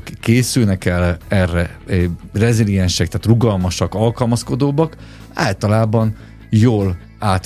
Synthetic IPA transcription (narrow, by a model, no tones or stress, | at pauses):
kːeːsylnɛkɛlɛrːɛ | rɛzilijɛnʃɛk̚t̪aːt̪ruɡɒlmɒʃɒkɒlkɒlmɒsko̞d̪oːbɒk | a̰ːlt̪ɒlaːbɒn | joːl | aːt̪